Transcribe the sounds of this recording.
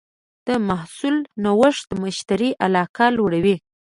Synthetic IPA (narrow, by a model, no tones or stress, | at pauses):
d̪̥əmahsulnawəʂd̪əməʃt̪aɾiʔalɑkɑlwoɽawi